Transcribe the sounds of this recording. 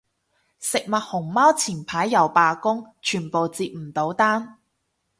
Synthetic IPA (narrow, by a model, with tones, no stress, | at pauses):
sɪ˨k̚mɐ˨t̚hʊ˨˩ŋmaː˥wt͡sʰiː˨˩npʰaː˨˥jːɐ˨˩wpaː˧kʊ˥ŋt͡ʃʰyː˨˩npo˨wt͡siː˧p̚m̩˨˩t̪o˨˥wt̪aː˥n